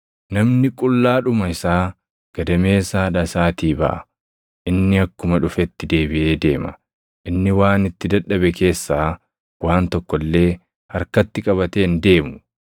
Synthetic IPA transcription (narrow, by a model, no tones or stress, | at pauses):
nɐmnɪkʼʊlːaːᶑʊmɐɪsaː | ɡ̥ɐd̪ɐme̞ːsaːᶑɐsaːt̪iːbɐ̰ʔɐ | ʔɪnːɪɐkːʊmɐᶑʊfɛt̪ːɪd̪e̞ːbɪʔe̞ːd̪e̞ːmɐ̰ | ʔɪnːɪwaːnɪt̪ːɪd̪ɐᶑɐbɛke̞ːsːaː | waːnt̪ɔkːɔlːe̞ː | hɐɾkɐt̪ːɪkʼɐβɐt̪eːnd̪e̞ːmʊ